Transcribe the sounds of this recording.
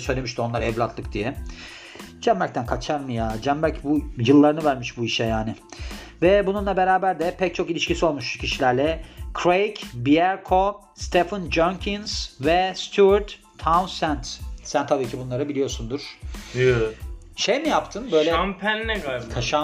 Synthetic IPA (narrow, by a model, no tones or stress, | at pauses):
sø̞jlʲemiʃt̪io̞nlˠaɾɛvlʲat̪lˠɯk̚d̪ijɛ | d͡ʒæmbæɾk̚t̪ʰænkʰat͡ʃʰaɾmɯjad͡ʒæmbæɾcbujɯlˠːaɾɯnɯvæɾmiʃbuiʃɛjaːnɪ | vɛbununlˠabe̞ɾaːbæɾd̪ɛpʰɛc̚t͡ʃʰo̞kilʲiʃcisio̞lˠmuʃcʰiʃilʲæɾlʲɛkʰɾejcbiaɾkʰo | st̪ʰefɯnd͡ʒoŋcʰinz̥vɛst̪ʰuaɾt̪ʰː | awnsænt̪sænt̪ʰabiːcʰibunlˠaɾɯbilijo̞ɾsund̪uɾ̥ | ʃejmijapt̪ʰɯnbø̞jlʲɛmpʰænːɛɡt̪ʰaʃa